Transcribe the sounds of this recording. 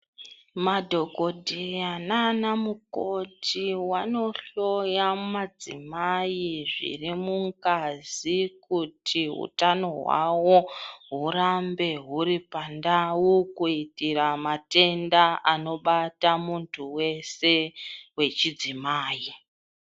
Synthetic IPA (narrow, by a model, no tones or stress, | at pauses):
madʱo̞ko̞dʱejananamuko̞tʰiwano̞ɬo̞jamad͡zḭmajiʐḭrimuŋkazikutʰiɦṵtano̞ɦwa̰wo̞ɦuɾambe̞ɦuɾipandawukuitiɾamate̞ndaano̞ɓatamuntʰuwe̞se̞we̞t͡ʃid͡zimaːji